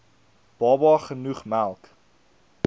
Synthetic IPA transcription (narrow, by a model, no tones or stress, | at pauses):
b̥ɑːbɑχənuχmælˠk